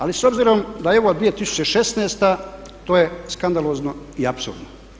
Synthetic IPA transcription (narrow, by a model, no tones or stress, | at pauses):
aliso̞bziɾo̞md̪ajeʋod̪ʋijet̪isu̥t͡ɕeʃe̞sneːst̪at̪oːjeskand̪alo̞ːznoiapsṵɾd̪no